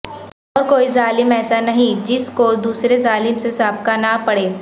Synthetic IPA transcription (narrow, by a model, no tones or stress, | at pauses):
ɔːɾkoːizaːlɪmɛːsanɐɦĩd͡ʒɪskod̪uːsɾezaːlɪmsesaːbkanapɐɽeː